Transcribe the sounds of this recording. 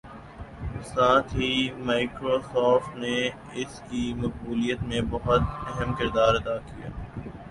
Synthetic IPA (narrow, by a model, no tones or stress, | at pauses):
saːt̪ʰɦimaːɪkɾoːsɔːfʈne | ɪskimɐk̚buːlijət̪mẽbɐɦʊt̪ɛɦɛmkɪɾd̪aːɾɐd̪aːkija̰ː